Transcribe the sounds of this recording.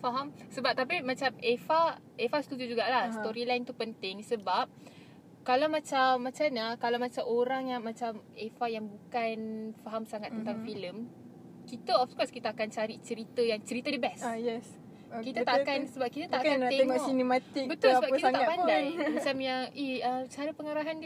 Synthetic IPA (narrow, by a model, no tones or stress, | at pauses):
faɦamsəbap̚t̪apimãt͡ʃamefa | efast̪ut̪ud͡ʒuɡaʔlasoɾilajnt̪upənt̪ɪŋsəbap̚ | kalawmãt͡ʃamːat͡ʃaɲakalawmãt͡ʃamoɾaŋjaŋmat͡ʃamefajaŋbukanfaɦamsaŋat̪ːənt̪aŋfiləm | kit̪əɔfkɔskit̪aːkant͡ʃaɾit͡ʃəɾit̪əjaŋt͡ʃəɾit̪ədəbɛsjɛs | kit̪at̪aʔkansəbap̚kit̪at̪aʔakant̪eeŋɔʔɔsinemat̪ɪkbət̪ulsəbapkiaapanndajmat͡ʃamjaihət͡ʃaɾəpəŋaɾaɦand